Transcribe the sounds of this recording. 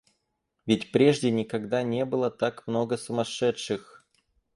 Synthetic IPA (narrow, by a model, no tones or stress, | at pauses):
vʲɪtʲpɾʲeʐdʲɪnʲɪkɐɡd̪anʲebɨlˠət̪akmnoɡəsəmɐʂɛtʂɨx